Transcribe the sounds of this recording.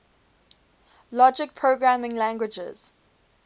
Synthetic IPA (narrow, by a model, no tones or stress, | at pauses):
lɔd͡ʒɪk̚pʰɹoɡɹamɪ̃ŋlæ̃ŋɡwɪd͡ʒə̰z̥